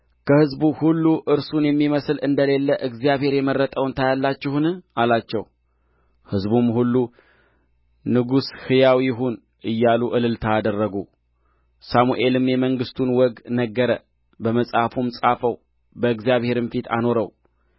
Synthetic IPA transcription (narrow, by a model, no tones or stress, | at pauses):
kʰəhɨzbuhulːuʔɨɾsunjɛmːiməsɨlɨnd̪əle̞lːəʔɨɡzjaβhe̞ɾjɛmərːət̪ʼəwnt̪ʰajalːat͡ʃːɪhnalat͡ʃːɛw | hɨzbumhulːu | nɨɡushɨjawiɪɦun | ʔɨjːaluʔɨlɨlt̪ʰaːd̪ərːəɡu | samuʔe̞lɨmjɛməŋɡɨst̪ʰunwɔɡnəɡːəɾə | bəməsʼhafumsʼafəw | bəɨɡzijaβhe̞ɾɨmfit̪ʰa̰no̞ɾəw